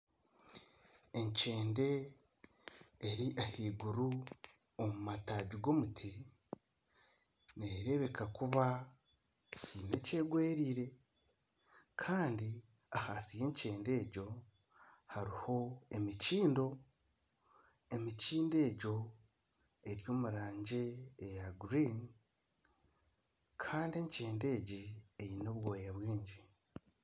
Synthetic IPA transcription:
e̞ɲt͡ʃe̞ːnde̞ | ɾiʔahiːɡuɾu | omumataːɟiɡo̞mutʰi | neɾe̞βe̞kʰakuβa | cine̞̰ce̞ːɡwe̞ːɾiːɾe̞ | kʰaːndi | ahasije̞ːɲce̞ːnde̞ːɟo̞ | haɾiho̞e̞miciːndo̞ | e̞miciːnde̞ːɟo̞ | e̞ɾjo̞ːmuɾaːɲɟeːjaɡɾin | kʰaːndie̞ɲce̞ːnde̞ːɟiejinoβwoːjaβwiːɲɟi

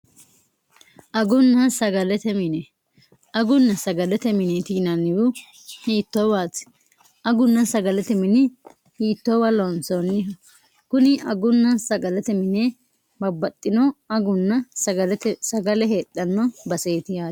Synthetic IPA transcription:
ʔɐɡʊnːɐsɐɡɐlɛt̪ɛmɪnɛ | ɐɡʊnːɐsɐɡɐlɛt̪ɛmɪnɛt̪iːnɐnːɪjʊ | hiːt̪ːɔbaːt̪ | ʔɐɡʊnːɐsɐɡɐlɛt̪ɛmɪnɪ | hiːt̪ːɔwɐlɔnsɔnɪ | kʊnɪɐɡʊnːɐsɐɡɐlɛt̪ɛmɪnɛ | bɐbːɐt̪ʼːɪnɔɐɡʊnːɐsɐɐlt̪sɐɡɐlɛɦeːt̪ʼːɐnːɔbɐseːt̪ɪjaː

